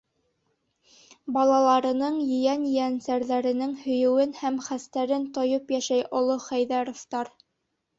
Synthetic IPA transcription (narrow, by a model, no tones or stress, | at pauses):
bɑlˠɑlˠɑɾɤ̆nɤɴjɵ̆jænjɘ̆ænsæɾðæɾɘ̆nɘŋhɵ̆jɵ̆wɘnhæmχæst̪æɾɘnt̪ŏjɤpjæʃæjʔŏlˠoχæjðæɾoft̪ɑɾ